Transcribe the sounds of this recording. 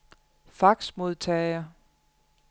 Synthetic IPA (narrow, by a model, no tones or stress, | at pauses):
fɑ̈ɡ̥smo̝ð̞ˠt͡sʰɛɪɐ